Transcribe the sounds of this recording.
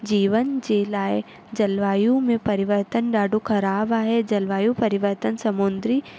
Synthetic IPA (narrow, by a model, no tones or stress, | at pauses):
d͡ʒiːʋənd͡ʒeːlaːe | d͡ʒɐlʋaːjũmẽpɐɾɪʋəɾt̪ənɖaːɖokʰɐɾaːbaːɦed͡ʒɐlʋaːjũpɐɾɪʋəɾt̪ənsɐmʊnd̪ɾi